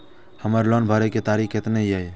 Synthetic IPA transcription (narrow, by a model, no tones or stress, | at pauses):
həməɾlɔnbʱəɾeket̪aːɾiket̪neiae